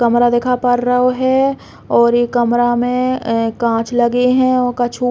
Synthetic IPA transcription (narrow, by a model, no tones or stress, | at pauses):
kɐmɾad̪eːkʰapəɾɾəɦoɦɛ | ɔːɾjekɐmɾamẽkãːt͡ʃʰlɐɡeɦɛ̃ɔːɾkat͡ʃʰu